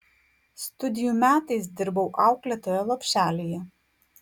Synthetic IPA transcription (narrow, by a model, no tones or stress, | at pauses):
st̪ʊd̪ʲɪjumʲæːt̪ɐɪs̬d̪ʲɪɾbɐʊʔɑˑʊklʲɛt̪oːjɛlˠɐpʲʃʲæːlʲejɛ